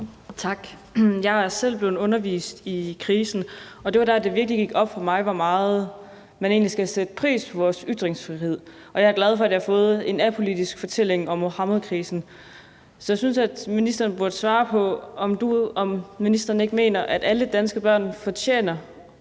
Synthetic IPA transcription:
t͡sʰɑ̈ɡ̥ | jɑ̈ɪæsel̰b̥le̝ːð̩ˠɔ̽nɐʋḭːsd̥ikʰʁiːsn̩ɒ̽d̥e̝ʋɑ̈d̥æɐd̥e̝ʋiɐɡ̥liɡ̥iɡ̥ɒ̽b̥fɒ̽mɑ̈ɪʋɒmɑ̈ːð̞̩ˠ | mæne̝ːnlisɡ̥æsed̥əpʰʁḭːspʰɒ̽ʋɒːsyd̥ʁeŋsfʁihe̝ð̰ˠ | ʔɒ̽jɑ̈æɐ̥læð̞ˠfɒ̽æd̥jɑhafɔ̽ːð̞̩ˠe̝næpʰo̝lid̥isɡ̥fɒ̽t͡sʰel̰e̝ŋɒ̽mːo̝hɑ̈muðˠkʰʁiːsn̩ | sɒjɑ̈ɪsynsæd̥minisd̥ʁɐːn̩b̥uɐd̥əsʋɑ̈ːpʰɒ̽ɒmd̥uɒ̽mːinisd̥ʁɐːnəe̝ɡ̥əme̝̰ːnɐʔæd̥æləd̥ænsɡ̥əb̥ɶɐ̰nfɒ̽t͡ɕʰḛːnɐ

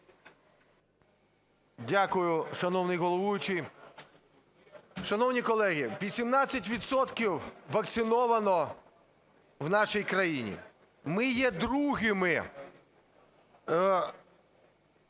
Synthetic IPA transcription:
dʲakʊjʊʃɐnɔwnɪjɦɔlˠɔʋujʊt͡ʃij | ʃɐnɔwnʲikɔlˠɛɦʲɪʋʲisʲimnɑt͡sʲːɐt̬ʲʋʲit̪sɔt̪kʲiwʋɐkt̪sɪnɔʋɐnɔ | wnɑʃijkɾɐjinʲḭ | mɪjɛd̪ɾuɦɪmɪ

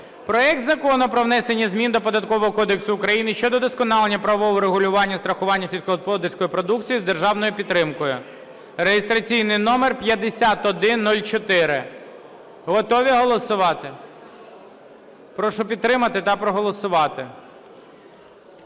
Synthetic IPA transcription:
pɾɔɛk̚t̪zɐkɔnʊpɾɔʋnɛsenʲːizmʲind̪ɔpɔd̪ɐt̪̚kɔʋɔɦɔkɔd̪eksʊːkɾɐjinɪʃt͡ʃɔd̪ɔd̪ɔskɔnɑlˠenʲːɐpɾɐʋɔʋɔɾeɦʊlʲʊʋɑnʲːɐst̪ɾɐxʊʋɑnʲːɐsʲilʲsʲkɔɔspˠɔd̪ersʲkɔjʊpɾɔd̪ukt͡sʲijizd̪erʒɑwnɔjʊpʲid̪ːɾɪmkɔjʊ | rejɪst̪ɾɐt͡sʲijnɪjnɔmerpʲjɐd̪esʲat̪ɔd̪ɪnːulʲt͡ʃɔt̪ɪɾɪ | ɦɔt̪ɔʋʲiɦɔlˠɔsʊʋɑt̪ɪ | pɾɔʃʊpʲid̪t̪t̪ːɾɪmɐt̪ɪt̪ɑpɾɔɦɔlˠɔsʊʋɑt̪ɪ

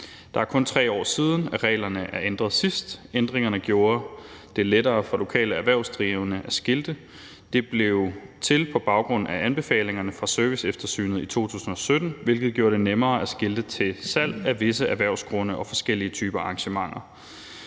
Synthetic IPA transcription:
d̥ɑ̈æɐkʰɔ̽nt͡sʰʁɛ̰ːɒ̰ːsiːð̞ˠn̩æʁɛ̰ːlɐnəʔæɐend̥ʁɐð̩ˠsisd̥end̥ʁeŋɐnəɡ̥jo̝ːɐd̥e̝leɾɐːfʁɑ̈lo̝kʰɛ̰ːləæʋæɐ̰ʊsd̥ʁiʊnəʔæsɡ̥eld̥ə | d̥e̝b̥le̝ʊt͡sʰe̝lpʰɒ̽b̥ɑ̈ʊɡ̥ʁɔ̽n̰æʔænb̥e̝fɛ̰ːle̝ŋɐnəfʁɑ̈søɐʋisefd̥ɐsy̰ːnð̞̩ˠit͡sʰo̝̰ːt͡sʰṵːsn̩ɒ̽sød̥n̩ʋe̝lɡ̥ð̞̩ˠɡ̥jo̝ːɐɾ̥e̝nemɐːæsɡ̥eld̥ət͡sʰe̝sæl̰æʋe̝səæʋæɐʊ̰sɡ̥ʁɔ̽nəʔɒ̽fɒ̽sɡ̥el̰iət͡sʰyːb̥ɐɑ̈ŋɕəmɑ̈ŋ̰ɐ

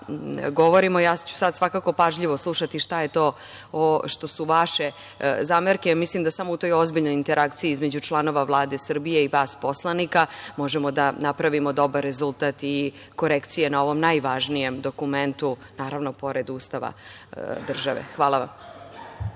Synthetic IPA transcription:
ɡo̞ʋoɾimojaːt͡ɕu̥sad̪svʋakako̞paʒʎiʋoslˠuʃat̪iʃt̪aje̞t̪o̞ː | oʃt̪o̞suʋaʃe̞ | zameɾkemislimd̪asamo̞ut̪o̞jo̞zbiʎnojint̪e̞ɾʔakt̪siiizmed͡ʑut͡ʃlˠano̞ʋaʋlˠaːd̪e̞sr̩bijeiʋaːspo̞slˠanikamo̞ʒemo̞d̪anapɾaʋimod̪o̞baɾːe̞zulˠt̪at̪i | ko̞ɾekt̪sije̞nao̞ʋo̞mnajʋaʒnije̞md̪o̞kument̪unaːɾaʋnopo̞ɾed̪uːst̪aʋa̰d̪r̩ʒaʋḛxʋaːlˠaʋa̰m

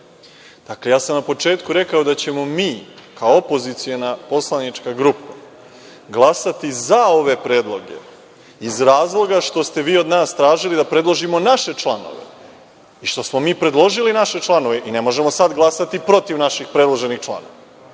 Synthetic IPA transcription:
d̪̥aklejaːsamnapo̞t͡ʂe̞ːt̪kuɾe̞kaod̪at͡ɕe̞mo̞miːkaoopo̞zit̪sijo̞napo̞slˠanit͡ʂkaɡɾupa | ɡlˠasat̪izao̞ʋe̞pɾe̞ːd̪lˠo̞ɡe̞̰ | izɾaːzlˠo̞ɡaʂt̪o̞st̪e̞ʋiːo̞d̪naːst̪ɾaːʒilid̪apɾe̞d̪lˠoʒimo̞naʃe̞t͡ʃlˠano̞̰ʋḛ | iʃt̪o̞smo̞miːpɾe̞d̪lˠo̞ʒilinaʃe̞t͡ʃlˠano̞ʋe̞ʔine̞mo̞ʒe̞mosad̪ɡlˠasat̪ipɾo̞t̪iʋnaʃixpɾe̞d̪lˠo̞ʒe̞nixt͡ʃlˠa̰noʋa

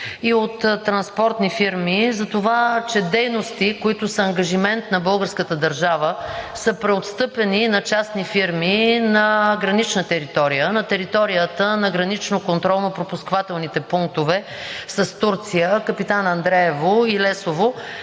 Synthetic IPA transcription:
iot̪ːɾɐnspɔɾt̪nifiɾmizɐt̪ovat͡ʃɛd̪ɛjnost̪ikoit̪ʊsəːŋɡɐʒimɛnt̪nɐbɤlˠɡəɾskət̪əd̪ɐɾʒavəsəpɾɛot̪st̪ɤpɛninɐt͡ʃasnifiɾminɐɡɾɐnit͡ʃnət̪ɛɾit̪ɔɾijənɐt̪ɛɾit̪ɔɾijət̪ənɐɡɾɐnit͡ʃnokont̪ɾɔlˠnɐpɾopuskvat̪ɛlˠnit̪ɛpuŋk̚t̪ovɛ | sɐst̪uɾt̪sijəkəpit̪anɐnd̪ɾɛɛvoilɛsovo

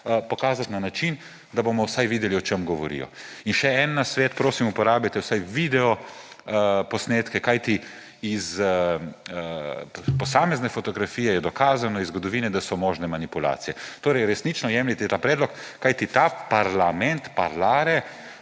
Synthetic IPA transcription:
pɔkaːzat̪nanat͡ʃin | d̪abomɔwsajʋiːd̪ɛliɔt͡ʃemɡɔʋɔ̰ɾḭːjɔ̰inʃɛɛnːasʋɛːt̪pɾoːsimupɔɾaːbjat̪ɛwsajʋid̪ɛɔ | pɔsneːt̪kɛkajt̪i | iz | pɔsaːmɛznɛfɔt̪ɔɡɾafiːjɛjɛd̪ɔkaːzanɔizɡɔd̪ɔʋiːnɛd̪asɔmɔːʒnɛmanipula̰ːt̪sijɛt̪oːɾɛjɾɛsnit͡ʃnɔjɛːmlit̪ɛt̪apɾɛːd̪lɔkː | ajt̪it̪aːpaɾlamɛnt̪pa̰ɾlaːɾɛ

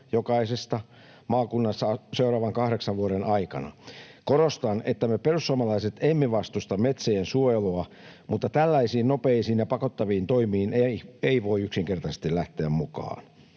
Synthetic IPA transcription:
jokɑisest̪ɑ | mɑːkunːɑsːɑseurɑːʋɑŋkɑhɾeksɑʋʋuoɾenʔɑikɑ̰nɑ̰koɾost̪ɑnet̪ːæmeperussuɑmɑlɑiset̪emːiʋɑst̪ust̪ɑmmet̪seensuojeloɑ | mut̪ːɑt̪ælːæisiːnnopeisiːnjɑpɑkot̪ːɑʋiːnt̪oimiːneieiʋoiyksiŋkert̪ɑsest̪illæht̪eæmmukɑ̰ːn

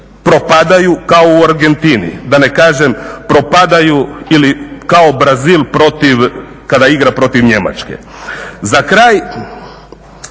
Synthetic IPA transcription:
pɾo̞pad̪ajukaouaɾɡe̞nt̪inḭd̪ane̞kaːʒempɾo̞pad̪ajuilikao̞bɾaziːlˠpɾo̞t̪iʋ | kad̪aiɡɾapɾo̞t̪iʋɲe̞ma̰t͡ʃkḛ | zakɾaːj

